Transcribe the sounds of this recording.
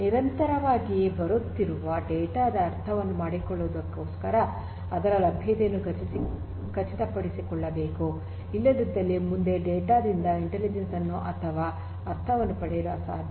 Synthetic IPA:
niɾɐnt̪ɐɾɐʋaːɡibɐɾut̪ːiɾuʋɐɖɛːʈaːd̪ɐːɾt̪ʰɐʋɐnːumaːɽikɔɭːuʋd̪ɐkːoːskɐɾɐ | ɐd̪ɐɾɐlɐbʱjɐd̪enːu | kɐt͡ʃːit̪ɐpɐɽisikɔɭːɐbe̞ːku | ilːɐd̪id̪ːɐlːimund̪e̞ɖɛːʈaːd̪ind̪ɐiɳʈelid͡ʒensɐnːuʔɐt̪ʰɐʋaː | ɐɾt̪ʰɐʋɐnːupɐɽɛjiɾuʋɐsaːd̪ʱ

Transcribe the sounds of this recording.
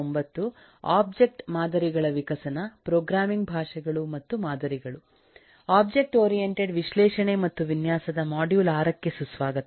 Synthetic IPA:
mbɐt̪ːu | a̰ːb̚d͡ʒe̞k̚ʈmaːd̪ɐɾiɡɐɭɐʋikɐsɐnɐpɾoːɡɾaːmiŋɡbʱaːʂɐɡɐɭumɐt̪ːumaːd̪ɐɾiɡɐɭu | aːbd͡ʒe̞k̚ʈoːɾijeɳʈeɖʋiʃlɛːʂɐɳemɐt̪ːuʋinjaːsɐd̪ɐmaːɖjuːlaːɾɐkːesusʋaːɡɐt̪

